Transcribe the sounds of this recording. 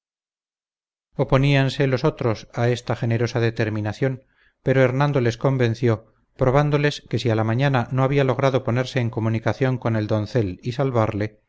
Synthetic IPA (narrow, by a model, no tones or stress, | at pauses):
o̞po̞nianse̞lo̞so̞t̪ɾo̞sae̞st̪aχe̞ne̞ɾo̞saðe̞t̪e̞ɾmĩnaθjo̞m | pe̞ɾoeɾnãnd̪o̞le̞sko̞mbẽ̞n̟θjo̞ | pɾo̞β̞and̪o̞le̞ske̞sialamaɲanano̞aβialo̞ɣ̞ɾaðo̞po̞ne̞ɾse̞ːŋko̞munikaθjo̞ŋko̞ne̞ld̪o̞n̟θe̞lisalβaɾle̞